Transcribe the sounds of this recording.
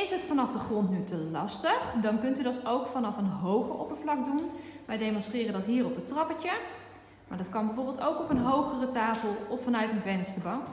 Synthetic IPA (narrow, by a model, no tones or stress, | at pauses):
ɪsɦətfɑnɑfdəχrɔntnytəlɑstəχdɑnkɵntydɑtowkfɑnɑfənɦowχəɔ̰pəɹvlɑkdunʋɛjdejmɔnstrɪːrəndɑtɦiːrɔpəntrɑpətə | maːɹdɑtkɑnbɛjvoːɹbɪlˠtowkɔpənɦowχərətaːfəlˠɔfːɑnœɥtənvɛnstəbɑw